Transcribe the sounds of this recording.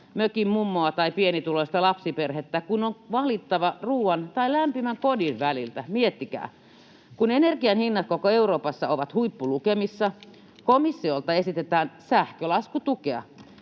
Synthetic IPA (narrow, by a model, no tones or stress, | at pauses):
møkimmumːoɑt̪ɑipienit̪uloist̪ɑlɑpsiperhet̪ːækunoŋʋɑlit̪ːɑʋɑruːwɑnt̪ɑilæmpimæŋkodiʋʋælilt̪æmiet̪ːikæ̰ː | kunenerkiɑnhinːɑt̪̚kokoeuroːpɑsːɑoʋɑt̪huipːulukemisːɑ | komisːiolt̪ɑesit̪et̪æːnsæhkølɑskut̪ukeɑ̰